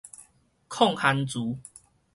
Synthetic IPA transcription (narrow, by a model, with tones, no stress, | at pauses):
kʰɔ˥˨ŋha˧nt͡suː˨˦